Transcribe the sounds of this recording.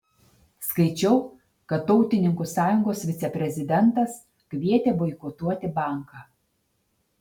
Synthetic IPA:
skɐɪt͡ʃʲɛʊ | kɐt̪ːɔʊt̪ʲɪnʲɪŋkusɑːjʊŋɡoːsʋʲɪt̪sʲɛpʲɾʲɛzʲɪd̪ʲɛnt̪ɐs | kʲʋʲiɛt̪ʲeːbɔɪkɔt̪uɔt̪ʲɪbɑˑŋkɑː

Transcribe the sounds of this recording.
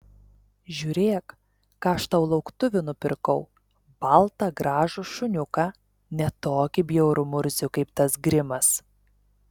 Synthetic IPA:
ʒʲuːɾʲeːkː | ɐʃt̪ɐʊlˠɐʊkt̪ʊʋʲʊnʊpʲɪɾkɐʊ | b̥ɐlˠt̪ɑːɡɾɑːʒʊʃʊnʲʊkɑː | nʲɛt̪oːkʲɪbʲjɛʊɾʊmʊɾʲzʲʊkɐɪpt̪ɐsɡɾʲɪmɐs

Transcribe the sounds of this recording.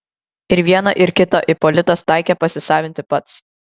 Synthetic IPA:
ɪɾʋʲiɛnɐʔɪɾkʲɪt̪oʔɪpɔlʲɪt̪ɐst̪ɑɪkʲɛpɐsʲɪsɑːʋʲɪnʲt̪ʲɪpɐt̪s

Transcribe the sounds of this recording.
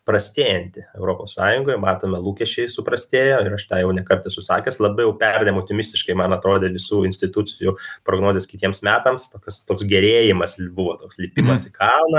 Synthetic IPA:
pɾɐsʲt̪ʲeːjɛnʲt̪ʲɪɛʊɾoːpoːssɑːjʊŋɡoːjmɑːt̪oːmʲɛlˠuːkʲɛʃʲt͡ʃʲɛɪsʊpɾɐsʲt̪ʲeːjoːɪɾɐʃt̪ɑːjɛʊnʲɛkɐrt̪ʲɪsʊsɑːkʲɛslˠɐbɐɪjɛʊpʲɛrʲd̪ʲemoʊt̪ʲɪmʲɪsʲt̪ʲɪʃkɐɪmɐnɐt̪ɾoːd̪ʲeːʋʲɪsuːɪnʲsʲt̪ʲɪt̪ut͡sʲɪjupɾoːɡnoːzʲeːskʲɪt̪ʲiɛmsmʲæːt̪ɐmst̪oːkʲɐst̪oːksɡʲɛɾʲeːjɪmɐsbʊʋoːt̪oːkslʲɪpʲiːmɐsɪkʰɐlʊnɐ

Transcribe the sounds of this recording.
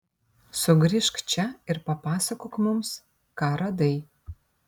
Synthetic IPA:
sʊɡɾʲiʃkt͡ʃʰɛɪrpɐpɑːsɐkokmʊms | kaːɾɐd̪ɐj

